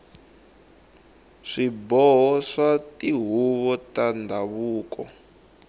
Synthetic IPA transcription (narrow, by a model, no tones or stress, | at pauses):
ʂibɔɦɔʂatiɦuβɔtandʱaβuːkɔ